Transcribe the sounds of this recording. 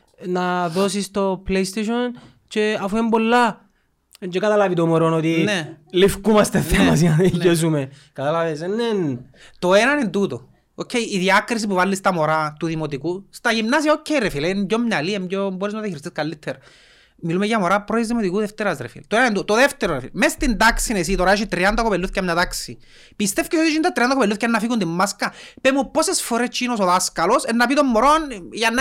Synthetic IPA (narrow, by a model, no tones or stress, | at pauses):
naðosist̪opleist̪eʃon | t͡ʃeafuembolːa | d͡ʒekat̪alavit̪omoɾonot̪inelifkumɐst̪eemas̬iannes̬umekat̪alavesenːen | t̪oenanend̪ut̪o | okʰːeiːðiɐkɾis̬ipuvalːist̪ɐmoɾat̪uðimot̪̬ikust̪aʝimnas̬iaocʰːejrefilemɟomɲaliemɟomboɾiznaɐðiçɾist̪iskalːit̪ʰːeɾ | milumeʝamoɾapɾoðizðimot̪ikuðɛft̪eɾasɾḛfḭlt̪oenanend̪uot̪oðeft̪eɾoɾefḭlmest̪ind̪aksinesit̪oɾaeʃit̪ɾiand̪akopelːuθcamɲat̪aksḭ | pist̪efkesot̪it͡ʃind̪at̪ɾiand̪akopelːuθkenːafikund̪imːaskapemupːosesfoɾest͡ʃːinosoðaskalosenːapit̪omːoɾonʝanː